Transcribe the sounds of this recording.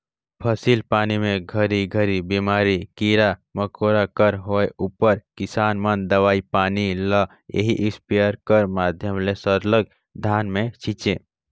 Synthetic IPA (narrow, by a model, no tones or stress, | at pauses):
pʰəsilpaːnimẽɡʱəɾiɡʱəɾibimaːɾikiɾaməkoːɾakəɾɦoːeʔupəɾkɪsaːnmənd̪əʋaːipaːnilə | ḛɦiʔɪspijəɾkəɾmaːd̪ʱjəmlesəɾləɡ̚ | d̪ʱaːnmẽt͡ʃʰit͡ʃe